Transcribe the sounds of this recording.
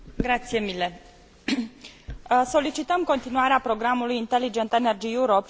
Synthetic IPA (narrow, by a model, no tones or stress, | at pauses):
ɡɾat̪sije̞mile̞ | so̞lit͡ʃit̪əmko̞nt̪inuaɾeapɾo̞ɡɾamulujint̪e̞lid͡ʒe̞nt̪ene̞rd͡ʒijuɾop